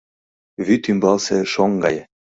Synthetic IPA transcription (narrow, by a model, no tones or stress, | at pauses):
βyt̪ymbɑlseʃoŋɡɑj